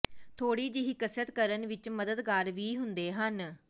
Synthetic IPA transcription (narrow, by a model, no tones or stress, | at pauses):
t̪ʰoːɽiːd͡ʒɪɦikəsət̪kəɾənʋɪt͡ʃməd̪əd̪kaːɾʋiːɦʊnd̪eːɦən